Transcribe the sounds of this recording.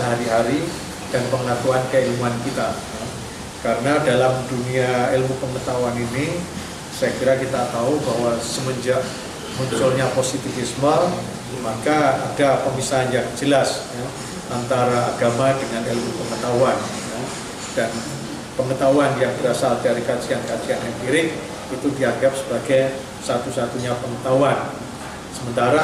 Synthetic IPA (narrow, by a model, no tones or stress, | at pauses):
əɦaɾiɦaɾi | d̥anpəŋat̪uankəilmuankit̪aja | kaɾənadalamduniaelmupəŋət̪auanini | sajakiɾakit̪at̪aubaɦwasəməɲd͡ʒaʔ | muɲt͡ʃʊlɲaposit̪ifismar | makaːdapəmisaanjaŋd͡ʒəlasja | ant̪aɾaːɡamadəŋanelmupəŋət̪awan | ja | d̥an | pəŋət̪awanjaŋbəɾasaldiaɾikat͡ʃiankat͡ʃianjaŋbiɾɪk̚ | it̪udiadap̚sə̥baɡaj | sat̪usat̪uɲapəŋət̪awan | səmənt̪aɾa